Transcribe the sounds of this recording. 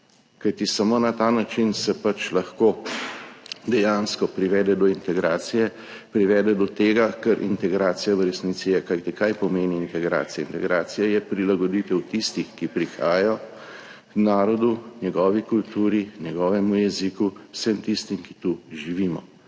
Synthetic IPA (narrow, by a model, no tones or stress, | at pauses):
kajt̪isɐmoːnat̪anat͡ʃinsɛpat͡ʃlɐxkoː | d̪ɛjanskɔpɾiʋɛːd̪ɛd̪ɔint̪ɛɡɾaːt̪sijɛ | pɾiʋɛːd̪ɛd̪ɔt̪eːɡakɛɾʔḭnt̪ɛɡɾaːt̪sijaʋəɾɛsniːt̪sijɛkajt̪ikajpɔmeːniːnt̪ɛɡɾa̰ːt̪sija̰int̪ɛɡɾaːt̪sijajɛpɾilaɡɔd̪it̪ɛwt̪ist̪ixkipɾixa̰ːjjɔ | knaːɾɔd̪unjɛɡɔːʋikult̪uːɾinjɛɡɔːʋɛmujɛzikuwsɛmt̪ist̪imkit̪uʒiʋiːmɔ